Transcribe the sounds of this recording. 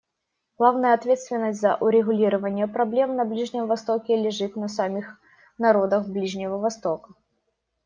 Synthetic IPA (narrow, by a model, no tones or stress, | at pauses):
ɡlˠavnəjəɐt̪vʲet̪st̪vʲɪnːəsʲtʲzə̰ʔʊɾʲɪɣʊlʲiɾəvənʲɪjəpɾɐblʲe̞mnɐblʲiʐnʲɪmvɐst̪okʲɪlʲɪʐɨt̪nəsɐmʲix | nɐɾo̞d̪əxblʲiʐnʲɪvəvɐst̪o̞kə